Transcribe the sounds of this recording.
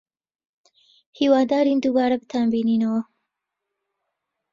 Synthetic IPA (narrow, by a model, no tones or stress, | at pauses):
hiwɑd̪ɑːɾind̪uɡɑːɾabət̪ʰambininawo